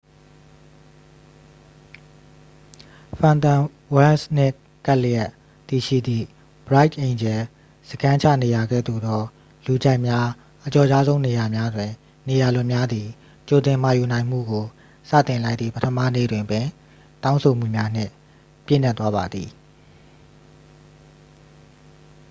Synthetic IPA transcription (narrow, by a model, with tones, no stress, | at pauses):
fʰã˨nt̪ã˨ | wɛ˦lsn̥ɪ̃˦˨ʔ | ka˦ʔljɛ˦˨ʔ | t̪i˨ʃḭ˦˨d̪ðḭ˦˨ | b̥əɹa˦ɪtʔẽ˨ɲd͡ʑɛ˨ | zəɡã˦t͡ɕʰa̰˦˨ne˨ja˨ɡɛ̰˦˨d̪ṵ˨d̪ɔ˦ | lu˨d͡ʑa˦˨ʔmja˦ | ʔət͡ɕɔ˨d͡ʑa˦zõ˦ʊ̃ne˨ja˨mja˦zwɪ̃˨ | ne˨ja˨lʊ̃˦ʔmja˦d̪ði˨ | t͡ɕo˨t̪ɪ̃˨m̥a˨ju˨nã˨ɪ̃m̥ṵ˦˨ɡo˨ | sä̰˦˨t̪ɪ̃˨la˦ɪʔt̪ðḭ˦˨pətʰəmä̰˦˨nḛ˦˨dwɪ̃˨ʔəpɪ̃˨ | tã˦ʊ̃sʰo˨m̥ṵ˦˨mja˦n̥ɪ̰̃˦˨ | pjɪ̰˦˨n̥a˦t̪wa˦βa˨d̪ðḭ˨